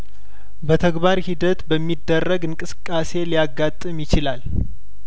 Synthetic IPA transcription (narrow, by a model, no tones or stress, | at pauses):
bət̪ʰəɡbaɾhid̪ət̪bəmːid̪ːərːəɡɨŋkʼɨsɨ̥kʼːase̞lijaɡːat̪ʼːɨmjɪt͡ʃɪlal